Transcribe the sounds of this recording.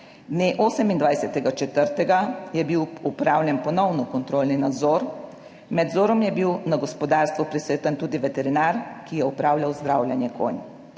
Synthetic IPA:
d̪neːʔoːsɛmind̪ʋajsɛt̪ɛɡat͡ʃɛt̪əɾt̪ɛɡajɛbiwupɾawlʲjɛnpɔnɔwnɔkɔnt̪ɾoːlninad̪zɔɾ | mɛd̪zoːɾɔmjɛbiwnaɡɔspɔd̪aːɾst̪ʋupɾisʋeːt̪ant̪uːd̪iʋɛt̪ɛɾinaɾkijɛupɾaːwlʲjawzd̪ɾaːwlʲjɛnjɛko̰n

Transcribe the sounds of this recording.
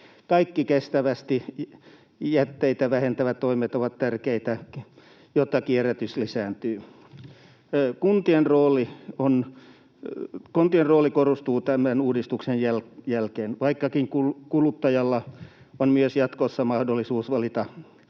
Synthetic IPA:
kɑikːikest̪æʋæst̪i | jæt̪ːeit̪æʋæhent̪æʋæt̪toimet̪oʋɑt̪t̪ærkeit̪æ | jot̪ːɑkieræt̪yslisæːnt̪yː | kunt̪ienroːlˑion | kont̪ienroːlikorost̪uːt̪æmænuːdist̪uksejjæljælkeːnʋɑikːɑkiŋkulkulut̪ːɑjɑlːɑ | onmyøsjɑt̪kosːɑmɑhdolːisuːsʋɑlit̪ɑ

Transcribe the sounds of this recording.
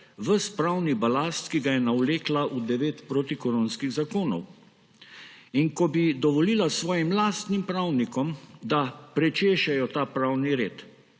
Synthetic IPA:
ʋəspɾaːwnibalast̪kiɡajɛnawleːklaʔud̪ɛʋeːt̪pɾot̪ikɔɾonskiɣzakoːnɔ̰w | inkɔbid̪ɔʋɔliːlasʋɔːjimlaːst̪nimpɾawnikɔmd̪apɾɛt͡ʃeːʃɛjɔt̪aːpɾaːwniɾeːt̪

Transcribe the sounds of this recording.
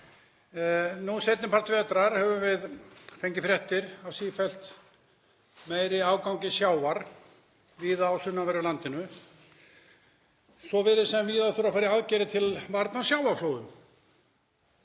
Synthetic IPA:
nusejt̪nɪmpʰar̥t̪vɛːt̪ɾaɾ̥hɛvʏvɪðfejɲcɪfɾjɛht̪ɪɾawsiːfɛlt̪ | meːjɾɪaːwkaw̃ŋɲcɪsjaːwvaɾ̥ | viːðaːwsʏnːavɛɾʏlant̪ɪnʏ | sɔvɪɾɪsɛmviːðaθuɾawfaːɾɪaðcɛːɾɪt̪ʰɪlvaɾt̪nasjaːwvaɾfloːwðʏm

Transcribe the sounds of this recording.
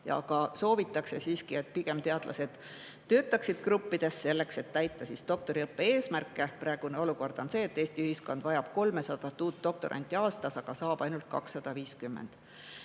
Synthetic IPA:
jɑ̰ɑ̰ɡ̥ɑso̞ːvit̪ːˑɑkse̞siːskie̞t̪̚ːpiɡ̥e̞mt̪e̞ɑd̪̥lʔɑ̰se̞d̪̥ | t̪ø̞ːt̪ːˑɑksid̪̥krupːid̪̥e̞sːe̞lːe̞kse̞t̪ːæjt̪ːˑɑsist̪o̞k̚t̪o̞ɾiɤpːe̞e̞ːsmærkːˑe̞prʔɑeɡ̥uneo̞luko̞rd̪̥o̞nse̞ːet̪ːˑe̞ːst̪iyhisko̞nd̪̥vɑjɑb̥ko̞lme̞sɑd̪̥ɑt̪ːuːt̪ːo̞k̚t̪o̞ɾʔɑ̰nʲt̪ʲːˑiɑːst̪ɑsɑɡ̥ɑsɑːb̥ɑjnult̪̚kɑ̰ksːɑd̪̥ɑviːskymːḛnd̪̥

